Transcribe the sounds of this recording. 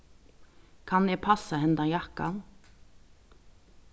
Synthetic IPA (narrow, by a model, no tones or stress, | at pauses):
kʰɑneːpʰɑsɑhɛnd̪ɑjɑkɑ̰n